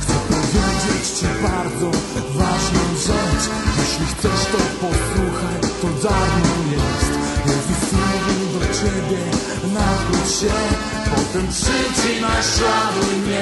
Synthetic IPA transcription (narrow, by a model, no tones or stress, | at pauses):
xt̪sɛpɔvʲjɛd͡ʑɛt͡ɕt͡ɕɛbaɾd̪zɔvaʐnɔzɔt͡ɕ | jɛɕlʲixt̪sɛʂt̪ɔpɔswuxɛt̪ɔd̪anɔjɛst̪jɛzusɲɛmuvʲɛd̪ɔt͡ɕɛbʲjɛ | nabut͡ɕɕɛ | pɔt̪ɛmpʂɨt͡ɕɨnalavɨɲɛ